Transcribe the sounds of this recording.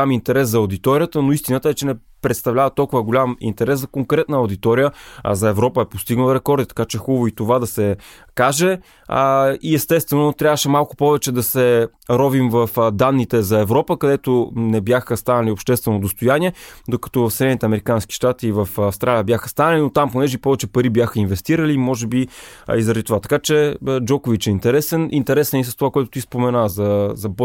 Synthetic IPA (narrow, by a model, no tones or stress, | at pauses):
amint̪ɛɾɛszɐod̪it̪ɔɾʲijət̪ənoist̪inət̪əɛt͡ʃɛnɛ | pɾɛt̪st̪ɐvlʲavət̪ɔlˠkʊvəɡolʲamḭnt̪ɛɾɛszɐkoŋkɾɛt̪nəɐʊd̪it̪ɔɾijəɐ̰zɐɛvɾɔpəɛpost̪iɡnəlˠɾɛkɔɾd̪it̪ɐ̥kat͡ʃɛxubvʊit̪ovad̪ɐsɛ | kaʒɛ | iɛst̪ɛst̪vɛnot̪ɾʲavəʃɛmalˠkʊ̥pɔvɛt͡ʃɛd̪ɐsɛ | ɾɔvimvɐfd̪anːit̪ɛzɐɛvɾɔpəkɐd̪ɛt̪onɛbjaxəst̪anɐliopʃt̪ɛst̪vɛnod̪ost̪ojaniɛd̪okɐ̥t̪ɔvɐfsɛd̪ɛnit̪ɛɐmɛɾikanski̥ʃt̪at̪iːvəfafst̪ɾʔalijəbʲjaxə̥st̪anɐlinot̪amponɛʒɛipɔvɛt͡ʃɛpɐɾibjaxəinvɛst̪iɾəlimɔʒɛbiizɾɐd̪it̪ovat̪ɐ̥kat͡ʃɛd͡ʒɔkovit͡ʃɛint̪ɛɾɛsɛnʔint̪ɛɾɛsɛnis̬əst̪ovakoɛt̪ʊ̥t̪ispomɛnazɐzɐb